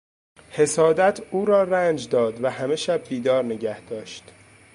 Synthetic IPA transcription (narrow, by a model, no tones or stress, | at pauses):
he̞sɒːd̪æt̪ʰuːɾɒːræːnd͡ʒd̪ɒːd̪væhæme̞ʃæb̚d̪iːd̪ɒːɾne̞ɟæhd̪̥ɒːʃt̪